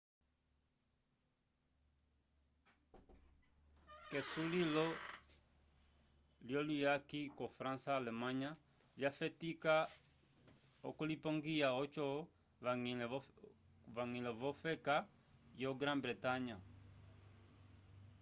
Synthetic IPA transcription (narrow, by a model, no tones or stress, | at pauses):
kesulilo | ljolijakikofɾãnsaːlemãɲa | ljafɛtika | o̰kolipõŋɡijaot͡ʃɔ | ŋ | vaŋĩlevofɛka | joɡɾãnbɾetaɲa